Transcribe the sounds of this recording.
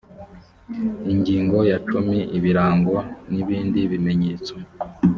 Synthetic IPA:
iŋɡiːŋɡo̞jat͡ʃumiʔiβiɾaːŋɡoniβiːndiβime̞ɲeːt͡so

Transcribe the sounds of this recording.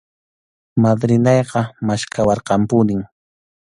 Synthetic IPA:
mad̪ɾɪnɑjqɑmaʃkawɑɾqɑmpʊnɪŋ

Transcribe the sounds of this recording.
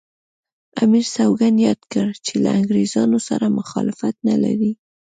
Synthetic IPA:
amiɾsawɡanjɑd̪kəɾt͡ʃelaaŋɡɾezɑnosaɾamʊxɑlɪfat̪nalaɾi

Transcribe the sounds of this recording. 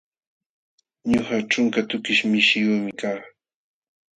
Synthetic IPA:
ɲohaʈ͡ʂʊŋkat̪ʊkɪʃmɪʃɪjumɪkaː

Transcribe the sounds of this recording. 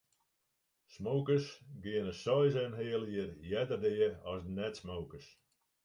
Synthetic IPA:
smowkəsɡɪənəsɔjsɛmɦɪəlˠiərjɛdərdɪəɔsnɛtsmowkəs

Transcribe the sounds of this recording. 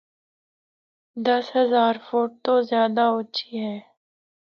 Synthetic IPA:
d̪ɐsɦɐzaːɾfoːʈ̚t̪ozjaːd̪aʊt͡ʃʰiɦɛː

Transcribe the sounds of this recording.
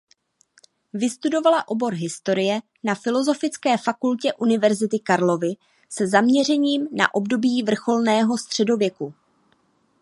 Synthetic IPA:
vɪst̪udo̞valaʔo̞bo̞ɾɦɪst̪o̞ɾɪjɛ | nafɪlo̞zo̞fɪt͡skɛːfakulcɛʔunɪvɛɾzɪt̪ɪkaɾlo̞vɪ | sɛzamɲɛr̝ɛɲiːmna̰ʔo̞bdo̞biːvr̩xo̞lnɛːɦo̞st̪r̝̥ɛdo̞vjɛku

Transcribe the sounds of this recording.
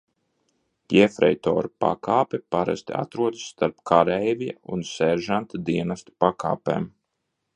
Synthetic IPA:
pjɛfɾɛ̰jt̪ɔ̰ːɾupa̰kʰaːpʲɛpaɾa̰st̪ia̰t̪ɾuɔd̪sːt̪aɾpkʰaɾɛjvʲija̰unsɛɾʒant̪ad̪iɛnast̪u̥pakʰa̰ːpḛːm

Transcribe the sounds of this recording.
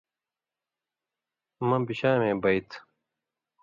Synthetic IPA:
mɐ̃biɕaːmẽːbɐit̪ʰ

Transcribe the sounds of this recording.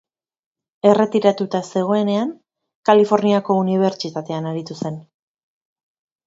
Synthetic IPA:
e̞re̞t̪iɾat̪ut̪ase̞ɣ̞o̞e̞ne̞aŋ | kalifo̞ɾniako̞uniβ̞e̞ɾt͡ʃit̪at̪e̞anaɾit̪use̞n

